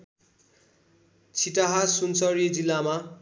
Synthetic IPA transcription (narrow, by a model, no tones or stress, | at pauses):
t͡sʰiʈaɦasunsʌɾied͡zilːama